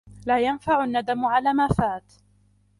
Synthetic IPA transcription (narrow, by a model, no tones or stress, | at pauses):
laːjanfaʕʊnːad̪amʕalaːmaːfaːt̪